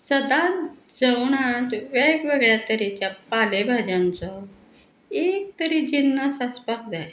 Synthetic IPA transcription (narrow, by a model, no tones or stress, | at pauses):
səd̪ãd͡zəwɳat̪ʋeɡʋeɡɭjat̪əɾit͡ɕjapalebʱad͡ʑãnt͡sɔ | ek̚t̪əɾid͡ʑinːəsaspakd͡zaj